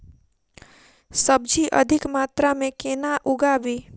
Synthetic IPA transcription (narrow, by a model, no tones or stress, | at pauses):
səbd͡ʒʱiʔə̰d̪ʱɪkmaːt̪ɾamẽkeːnaʔʊɡabiː